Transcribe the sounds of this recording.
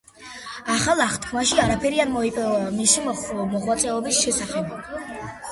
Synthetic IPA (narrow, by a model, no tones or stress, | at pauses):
aχalˠaχt̪kʰmaʃiaɾapʰɛɾianmɔipʼmisimɔχwat̪sʼɛɔbisʃɛsaχɛb